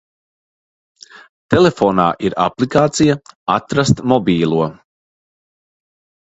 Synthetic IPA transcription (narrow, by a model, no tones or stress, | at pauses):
t̪elefoːna̰ːʔiɾa̰plˠikaːt̪sijaa̰t̪ɾast̪mɔbʲiːlˠuɔ